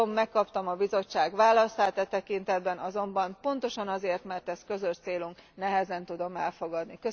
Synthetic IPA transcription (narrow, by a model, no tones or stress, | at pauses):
omːɛkːɒpt̪ɒmɒbizo̞t͡ʃːaːɡʋaːlɒsaːt̪ɛt̪ɛkint̪ɛd̪bɛnʔɒzo̞mbɒmpo̞n̪t̪o̞ʃɒnɒzeːrt̪mɛrt̪ɛskø̞zøʃt̪seːluŋknɛɦɛzɛnt̪ud̪o̞mɛlfo̞ɡɒd̪nikø